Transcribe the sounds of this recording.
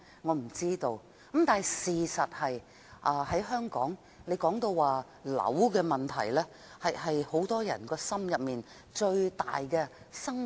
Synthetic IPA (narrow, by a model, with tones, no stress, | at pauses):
ŋɔː˨˧m̩˨˩t͡siː˥t̪o˧w | ɐ˨˥mt̪aː˨n˨˩siː˨˩sɐ˨t̚hɐ˨j | ʔɐː˨˧hɐ˨˥jɦœː˥ŋkɔ̰ː˨˥ŋ | ne˨˧jkɔː˨˥ŋt̪o˧wwaː˨ | lɐ̰˨˥wkɛː˧mɐ˨˩nt̪ʰɐ̰˨˩jlɛː˥ | hɐ˨jhɐ˨jho˨˥wt̪ɔː˥jɐ̰˨˩nkɔː˧sɐ˥mjɐ˨p̚miː˨n | t͡ʃɵ˧ɥt̪a̰ː˨jkɛː˧ | sɐ˥ŋ